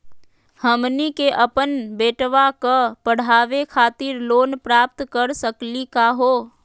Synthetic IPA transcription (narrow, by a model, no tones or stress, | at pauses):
həmnikeʔəpənbeːʈʋakəpəɽ̤aːʋekʰaːt̪ɪɾloːnpɾaːp̚t̪kəɾsəklikaɦoː